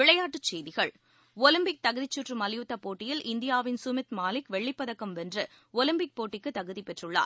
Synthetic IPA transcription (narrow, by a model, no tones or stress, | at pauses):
ʋɪɭɐjaːʈːɯt͡ʃːɛjðɪɣɐɭ | ɔlɪmbɪk̚t̪ɐɣɯðɪt͡ʃːuʈrɯmɐlɪjʊt̪ːɐpoːʈːɪjɪlʔɪnd̪ɪjaːʋɪnsʊmɪt̪maːlɪkʋɛɭːɪpːɐðɐkːɐmʋɛndrɯ | ɔlɪmbɪk̚poːʈːɪkːɯt̪ːɐɣɯðipɛʈrɯɭːa̰ːɾ